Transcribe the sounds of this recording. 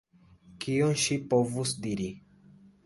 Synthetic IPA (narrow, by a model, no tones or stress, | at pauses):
kionʃipovusdiɾi